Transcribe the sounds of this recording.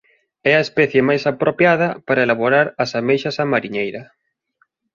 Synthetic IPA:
ɛɐespɛθjemajsapɾʔopjað̞ɐpaɾɐelaβoɾaɾɐsamejʃɐsamaɾiɲejɾɐ

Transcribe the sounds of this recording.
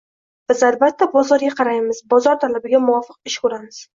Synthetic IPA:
b̥ɪzalbat̪ʰːabɒzɒɾɡʲaqʰɑɾajmɪzbɒzɒɾt̪ʰalabɪɡʲamʊɒfɨq̚ɪʃkʊɾamɪz̥

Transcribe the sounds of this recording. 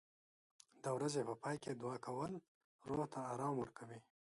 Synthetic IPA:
d̪̥əwɾazepəpɑːjked̪wɑkʰawəl | ɾoht̪aːɾɑmwəɾkawi

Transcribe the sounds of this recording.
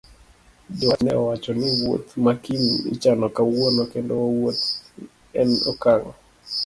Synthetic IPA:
dɔanɛ̰ɔwat͡ʃɔnɪwo̰t̪makinḭt͡ʃanɔkawonokendɔwawot̪ | ɛnɔ̰kaŋɔ

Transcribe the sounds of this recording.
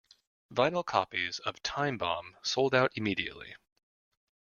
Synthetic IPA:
vãɪnl̩ˠkʰɑ̰pizʌv̥tʰãɪ̃mbɑ̰̃msoʊlˠdaʊɾɨmiɾiɨ̰ʔˡlḭ

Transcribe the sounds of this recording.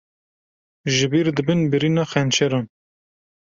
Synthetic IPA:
ʒɪbiːɾd̪ɨbɨnbɨɾiːnɑːxɛnt͡ʃɛɾɑn

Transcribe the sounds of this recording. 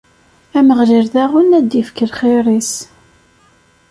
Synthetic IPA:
æməʁliɾðæʁʊnæd̪ifkəlχɪɾˤis

